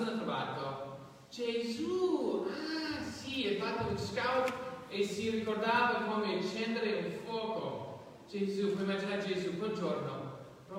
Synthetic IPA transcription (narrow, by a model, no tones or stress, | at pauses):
not̪ɾova̰t̪o | t͡ʃɛzuasiɛfat̪ːounskawt̪esirikord̪aːvakomeʃɛnd̪eɾeulfwɔːko | t͡ʃed͡ʒizuvɔimːad͡ʒinaɾd͡ʒezukweld͡ʒorno | pɾɔ